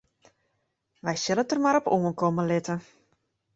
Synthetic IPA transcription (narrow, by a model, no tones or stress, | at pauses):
ʋɛjsɪlətərmaɾɔpuənkɔməlɪtə